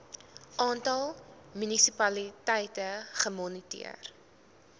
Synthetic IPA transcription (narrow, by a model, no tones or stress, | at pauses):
ʔɑːntɐlˠmynisipɐlitɛjtəχəmɔnitḭə̰r